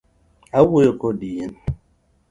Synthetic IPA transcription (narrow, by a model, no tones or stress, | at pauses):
awujokodijen